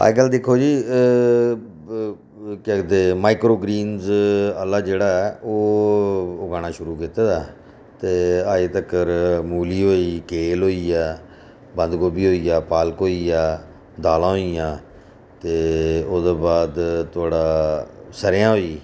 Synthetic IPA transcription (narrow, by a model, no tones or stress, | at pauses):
a̰ːɡəld̪ɪkʰːoːd͡ʒiː | kd̪eːmaːɪkɾoːɡɾiːnzəlːaːd͡ʒeːɽaːɛʔoː | oɡaːɳ̃ãːʃʊɾuːkɪt̪aːd̪aː | t̪eːaːeːt̪əkəɾmuːliːɦoːiːkeːlɦoːiːɛː | bənd̪ɡoːbiːɦoːiːjaːpaːlkoːiːjaː | d̪aːlãːɦoijãː | t̪eːoːd̪oːbaːd̪t̪ʊaːɽaːsəɾjãːɦoːiː